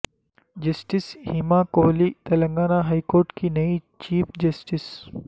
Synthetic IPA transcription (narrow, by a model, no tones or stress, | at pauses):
d͡ʒɐsʈɪshimakoːlit̪ɐlɐ̃ŋɡaːnaɦaːikoːɾʈkinɐit͡ʃiːpʰd͡ʒɐsʈɪs